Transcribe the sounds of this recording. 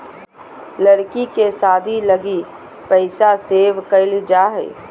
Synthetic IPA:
ləɾkikesaːd̪ʱiləɡi | pəɪsaseːʋkəɪld͡ʒaːɦɛ̰ː

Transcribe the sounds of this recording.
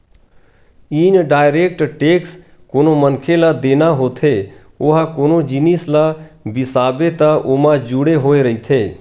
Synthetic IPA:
iːnɖaːɪɾeːk̚ʈʈeːks | koːnomənkʰelad̪eːnaɦoːt̪ʰe | oːɦakoːnod͡ʒinislabɪsaːbet̪əʔoːmãd͡ʒuɽeɦoːeɾəɦit̪ʰeː

